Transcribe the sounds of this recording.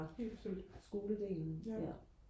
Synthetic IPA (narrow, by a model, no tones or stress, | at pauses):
sɡ̥o̝ːləd̥ḛlnn̩æ